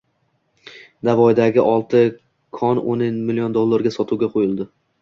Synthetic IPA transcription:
d̪avɒd̪aɡʲɪʔɒlˠt̪ʰɪ | kʰɒnonɪnmɪlijond̪olˠːaɾɡʲasɒt̪ʰuwɡʲaqʰojɪlˠd̪ɪ

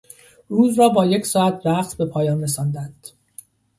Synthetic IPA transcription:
ruːzɾɒːbɒːje̞csɒːæt̪ʰbæχt̪ʰbe̞pʰɒːjɒːnres̬ɒːnd̪ænd̪̥

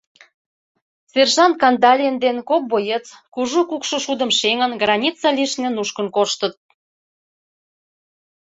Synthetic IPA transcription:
serʒɑnt̪̚kɑnd̪ɑlʲend̪enkop̚bojet͡skuʒokukʃoʃud̪ə̆mʃeŋənɡrɑnʲit͡sːɑliʃnĕnuʃkə̆nkoʃt̪ə̆t̪̚

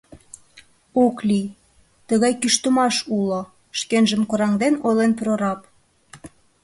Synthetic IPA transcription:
oklij | t̪əɣɑjkyʃt̪ə̆mɑʃulo | ʃkenʒə̆mkoɾɑŋd̪enojlenpɾoɾɑp̚

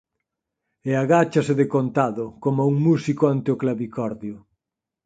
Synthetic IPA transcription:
eaɣat͡ʃasɪðekont̪aðʊkomauŋmusikoant̪eʊklaβikɔɾðjʊ

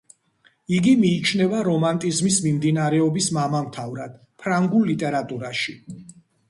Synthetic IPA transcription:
iɡimiːt͡ʃʰnɛvaɾɔmant̪ʼizmismimd̪inaɾɛɔbismamamt̪ʰavɾad̪̥ | pʰɾaŋɡulːit̪ʼɛɾat̪ʼuɾaʃi

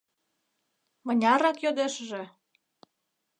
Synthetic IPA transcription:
mə̆nʲɑɾɑkjod̪eʃəʒĕ

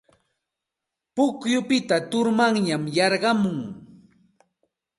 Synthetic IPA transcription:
pʊkjʊpɪt̪at̪ʊɾmaŋɲamjɑɾɢɑmʊŋ

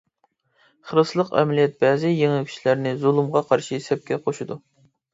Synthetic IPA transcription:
χəɾɨslˠəqɛ̰mlijɛt̪̚bɛːzɪjeŋɪkʲʰy̥ʃlæɾnɪzolˠumʁɑqʰɑɾʃisɛp̚kʲʰɛqʰoʃud̪u

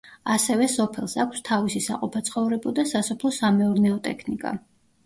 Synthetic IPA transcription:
asɛvɛsɔpʰɛlˠsakʷʰst̪ʰavisisa̰qʼɔpʰat̪sʰχɔvɾɛbɔd̪asasɔpʰlˠɔsamɛɔɾnɛɔt̪ʼɛ̰kʰnikʼa̰

